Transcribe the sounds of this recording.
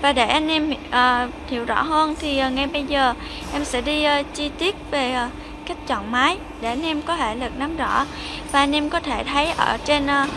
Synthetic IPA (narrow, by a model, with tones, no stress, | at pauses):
vaː˨˩ɗe˧˩ʔa˧jn̟ʔɛ˧mʔəː˨˩hḭ˧˩əwzɔ̰˧˥ɦəː˧nt̪ʰi˨˩˨ŋa˨˩jɓə˧jzəː˨˩ | ʔɛ˧msɛ̰˧˥ɗiː˧˨˩t͡ɕi˧t̪i˦˥ət̚ve˨˩˨ | ka˦˥jk̚t͡ɕɔ̰˧˨nmaː˨˦j | ɗe˧˩ʔa˧nʔɛ˧mkɔ˨˦ɦe˧˩lɨ˨˩k̚na˨˦mzɔ̰˧˥ | vaː˨˩ʔa˧n̟ʔɛ˧mkɔ˨˦t̪ʰe˧˩t̪ʰə˨˦jʔəː˧˩t͡ɕe˧nː˧